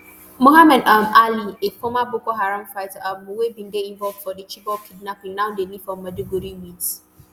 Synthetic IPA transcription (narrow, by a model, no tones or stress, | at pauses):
moɦamɛdamaliekomabokoɦaɾamfaɪtaʔamwebĩndeĩɱvɔlvd̥fɔdet͡ʃibɔkʰid̚napĩŋnaw̃ndeli̥fɔ̃mːaduɡoɾimits